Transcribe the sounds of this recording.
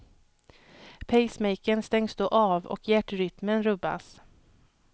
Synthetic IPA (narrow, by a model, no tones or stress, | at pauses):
pʰɛjsmɛjkənst̪ɛŋsd̪oːʔaːvɔ̰kjæʈːɾʏt̪mənɾɵbːa̰s